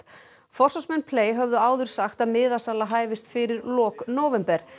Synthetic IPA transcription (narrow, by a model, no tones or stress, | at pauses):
fɔr̥sɔsmɛnːpʰleːjɦœvðʏaːwðʏɾ̥saxt̪aðmɪːðasalaɦaːjvɪst̪fɪɾɪɾlɔːknoːwvɛmpɛɾ̥